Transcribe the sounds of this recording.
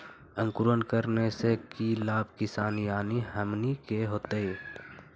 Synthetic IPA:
ə̃ŋkʊɾənkəɾnesekilaːbkɪsaːnijaːniɦəmnikeɦoːt̪ee

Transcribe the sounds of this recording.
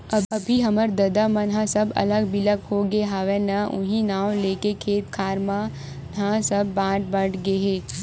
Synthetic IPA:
əɐbʱiɦɐməɾd̪ɐd̪amɐ̃nɦãsɐbɐ̰ləɡbɪləɡhoɡeɦaːʋenɐʔʊ̰̃ɦĩnaːwleːkekʰeːt̪kʰaːɾmã | nɦãsəbːãːʈ̚bəʈɡeɦeː

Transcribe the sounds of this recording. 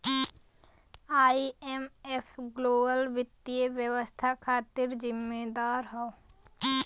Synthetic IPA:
aːiemepʰɡloːbəlʋɪt̪ːieʋjəwəst̪ʰakʰaːt̪ɪɾd͡ʒɪmːed̪aːɾɦɔo

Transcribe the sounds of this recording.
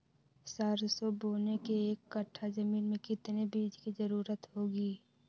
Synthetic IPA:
saːɾsoboːnekeeːkːəʈʰːazɐmiːnmẽkɪt̪nebiːd͡ʒkizɐɾuːɾət̪ɦoːɡiː

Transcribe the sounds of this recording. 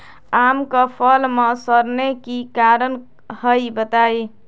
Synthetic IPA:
amkəpʰəlmesəɾnekikaɾən | həjbət̪aj

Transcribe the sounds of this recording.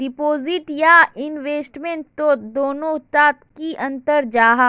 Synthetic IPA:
ɖɪpoːzɪʈjaɪnʋeːsʈmẽɳʈt̪od̪oːnõt̪aːt̪kiʔɐ̃nt̪əɾd͡ʒaːɦa

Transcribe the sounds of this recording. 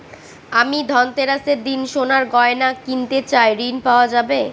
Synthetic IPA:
amid̪ʱɔnt̪eɾaseɾd̪inʃonaɾɡɔenakint̪et͡ɕajɾinpaoad͡ʑabe

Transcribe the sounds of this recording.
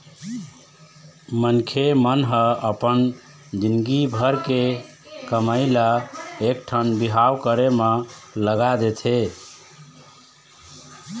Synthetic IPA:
mənkʰemənɦəəpən | d͡ʒinɡibʱəɾke | kəməɪlaekʈʰənbiɦawkəɾemeləɡad̪et̪ʰe

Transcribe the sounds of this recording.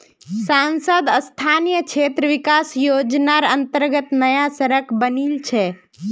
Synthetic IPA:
sansəd̪əst̪ʰanijəkt͡ʃʰet̪ɾəʋikasjod͡ʒnaɾənt̪əɾɡət̪nəjasəɾəkʰbənilt͡ʃʰɛ

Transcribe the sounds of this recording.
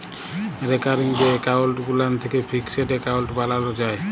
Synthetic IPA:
ɾekaɾiŋbekalʈɡulant̪ʰekepʰikseʈekawlʈbalalod͡ʒae

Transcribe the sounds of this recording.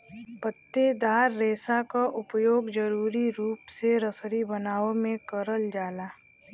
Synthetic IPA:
pət̪ːed̪aːɾːeːsakaʔʊpjoːɡd͡ʒəɾuːɾiɾuːpseɾəsɾibənaːomẽkəɾəld͡ʒaːlaː

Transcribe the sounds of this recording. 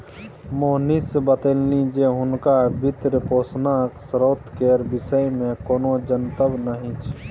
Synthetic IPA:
monisbət̪elnid͡ʒeɦʊnkabʱit̪ɾəpoːsnaksɾoːt̪keɾbɪsəjmẽkoːnod͡ʒənt̪əbnəɦĩt͡ʃʰ

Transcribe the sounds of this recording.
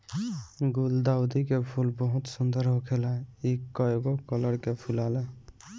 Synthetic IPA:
ɡuld̪aʊd̪ikepʰulbəɦut̪sund̪əɾɦokʰelɛikəɡokələɽkepʰulalɛ

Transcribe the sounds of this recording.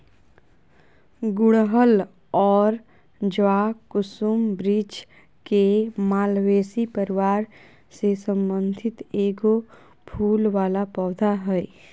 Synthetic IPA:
ɡʊɽɦəl | ɔːɾ | d͡ʒʋaːkʊsumbɾiːd͡ʒ | kemaːlweːsipəɾɪʋaːɾ | sesə̃mbə̃nd̪ʱɪt̪eːɡo | bʱʰuːlʋaːlapɔːd̪ʱaɦɛː

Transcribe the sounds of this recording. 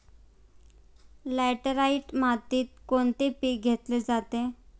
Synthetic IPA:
lɛʈəɾaiʈmat̪iːt̪̚koɳt̪epiɡʱet̪led͡zat̪e

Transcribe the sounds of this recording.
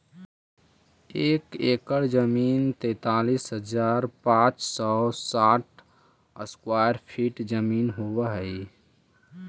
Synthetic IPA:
eːkeːkəɾd͡ʒəmiːnt̪ɛ̃ːt̪aːlisɦəd͡ʒaːɾpãt͡ʃsɔsaʈ̚ʰ | əskwaːjəɾpʰiʈd͡ʒəmiːnɦowəɦəi

